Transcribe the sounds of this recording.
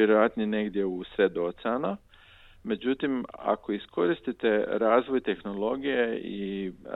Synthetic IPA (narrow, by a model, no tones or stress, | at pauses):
jeɾojat̪nine̞ɡd̪je̞usɾed̪ot̪seana | me̞d͡ʑut̪ima̰ko̞isko̞ɾist̪it̪e̞ɾaːzʋo̞jt̪e̞xno̞lˠo̞ɡijei